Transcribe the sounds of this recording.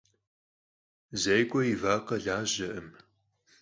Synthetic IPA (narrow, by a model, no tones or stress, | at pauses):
zɐjkʷʼɔjiɪvaːqɐɮaːʑɐʔɨm